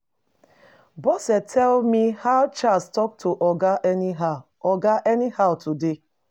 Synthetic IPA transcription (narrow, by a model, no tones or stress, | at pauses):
bɔsɛtʰɛlmihaʊt͡ʃastɔk̚tʰuʔɔɡaʔɛniɦa | ɔɡaʔɛnihaʊtude